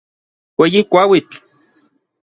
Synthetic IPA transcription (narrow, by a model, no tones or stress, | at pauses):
weːjikʷawit͡ɬ